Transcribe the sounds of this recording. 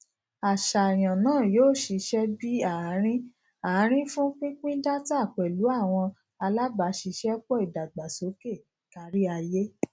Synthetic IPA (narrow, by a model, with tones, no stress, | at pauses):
a˨ʃa˨j̃ã˨nãː˦˨joː˦˨ʃi˧ʃɛ˦bi˦a˨˦ɾ̃ĩ˦ | a˨˦ɾ̃ĩ˦fũ˦k͡pĩ˦k͡pĩ˦da˦ta˦˨k͡pɛ˨lu˨˦a˦˨w̃ɔ̃˧ | a˧la˦ba˨˦ʃi˧ʃɛ˦k͡pɔ˦i˨da˨ɡ͡ba˨so˨˦ke˦˨ | ka˧˦ɾi˦a˧je˦